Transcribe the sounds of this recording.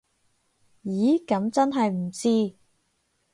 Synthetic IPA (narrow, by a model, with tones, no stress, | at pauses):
jiː˨˥kɐ˨˥mt͡sɐ˥nɦɐ˨jm̩˨˩t͡siː˥